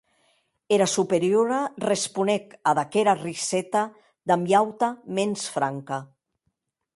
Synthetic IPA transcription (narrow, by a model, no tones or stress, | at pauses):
eɾasupeɾjoɾarespunekaðakeɾarisɛt̪a | d̪amjawt̪amensfɾaŋka